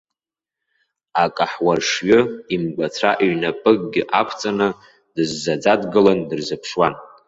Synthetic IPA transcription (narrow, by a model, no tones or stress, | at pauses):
akʼaħwarʂɥʊimɡʷat͡sʷʰaʔiɥnapʼɨɡ̚ʼɡʲɪʔakʷʰt͡sʼanɨ | dɨzːad͡zadɡɨlandɨrzɨpʰʂwan